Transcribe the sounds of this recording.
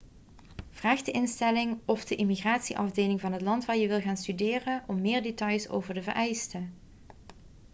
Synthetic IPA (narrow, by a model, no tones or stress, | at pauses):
v̥raːχdəʔɪnstɛlɪŋɔfdəʔimiɣraːtsiʔɑvdejlɪŋvɑnɦətlɑntʋaːɹjəʋɪlˠɣaːnstydɪːrənʔɔmːɪːɹdetɑjso̰wvəɹdəvə̰ɹʔɛjstə